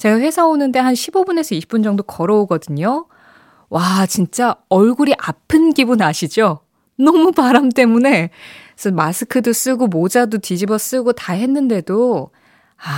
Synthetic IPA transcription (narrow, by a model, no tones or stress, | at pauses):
t͡ɕe̞ɡaɸwe̞sʰaonɯnde̞ɦanɕʰibobune̞sʰʌiɕʰi̥p͈ːund͡ʑʌŋdokʌɾʌoɡʌdɯɲo | wat͡ɕint͡ɕ͈aʌɭɡuɾiʔapʰɯnɡibunaɕʰid͡ʑo | nʌmupaɾamt͈e̞mune̞ | sʰʌnmasʰɯkʰɯdos͈ɯɡomod͡ʑadotid͡ʑibʌs͈ɯɡotaɦe̞nːɯnde̞do | a